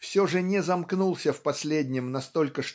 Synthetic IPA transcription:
fsʲo̞ʐɨnʲɪzɐmknulˠsʲəfpɐsʲlʲedʲnʲɪmnɐst̪o̞lʲkəʂ

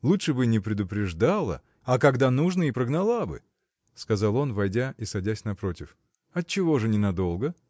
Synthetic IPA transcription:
lˠutʂɨbɨnʲɪpɾʲɪd̪ʊpɾʲɪʐd̪alˠə̰ | ɐkɐɡd̪anuʐnəipɾəɡnɐlˠabɨ̰ | skɐzɑlˠo̞nvɐjdʲaʔisɐdʲæsʲnɐpɾo̞tʲɪf | ɐt̚t͡ɕːɪvo̞ʐɨnʲɪnɐd̪o̞lˠɡə

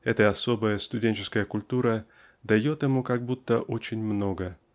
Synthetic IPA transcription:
ɛt̪əɐso̞bəjəst̪ʊdʲenʲt͡ɕɪskəjəkʊlʲt̪uɾə | d̪ɐjo̞t̪ɪmukɐɡ̚but̪ːəʔot͡ɕɪnʲmno̞ɡə

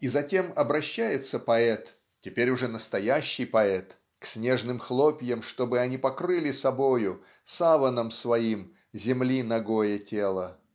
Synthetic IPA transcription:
izɐtʲe̞mɐbɾɐɕːæjɪt̪səpɐɛt̪ | tʲɪpʲeɾʲʊʐɛnəst̪ɐjæɕːɪjpɐɛt̪ | ksʲnʲe̞ʐnɨmxlˠopʲjəmʂt̪o̞bɨɐnʲipɐkɾɨlʲɪsɐbo̞jʊ | savənəmsvɐim | zʲɪmlʲinɐɡo̞jətʲe̞lˠə

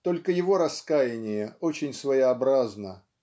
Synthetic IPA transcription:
t̪o̞lʲkəjɪvo̞ɾɐskajɪnʲɪjəot͡ɕɪnʲsvəjɪɐbɾaznə

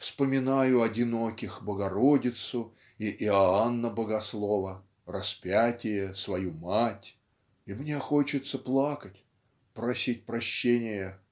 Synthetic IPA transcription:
fspəmʲɪnajʊɐdʲɪno̞kʲɪxbəɡɐɾodʲɪt̪sʊ | iʔɪɐanːəbəɡɐslˠo̞və | rɐspʲatʲɪjəsvɐjumatʲ | imnʲe̞xo̞t͡ɕɪt̪səplˠakətʲ | pɾɐsʲit̚ʲpɾɐɕːenʲɪjə

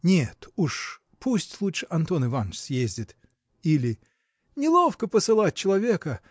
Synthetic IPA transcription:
nʲet̪uʂ | pʰusʲtʲlˠutʂɨʔɐnt̪o̞nɨvant͡ɕsʲjezʲdʲɪt̪ | ilʲɪ | nʲɪlˠo̞fkəpəsɨlˠat̚ʲt͡ɕːɪlˠɐvʲe̞kə

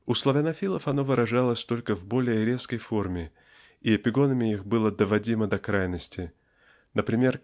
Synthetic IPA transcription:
uslˠəvʲɐnɐfʲilˠəfɐno̞vɨɾʔɐʐalˠəsʲt̪o̞lʲkəvbo̞lʲɪjəɾʲe̞skəjfo̞rmʲɪ | iɐpʲɪɡo̞nəmʲɪixbɨlˠəd̪əvɐdʲiməd̪ɐkɾajnəsʲtʲɪ | nəpɾʲɪmʲe̞r

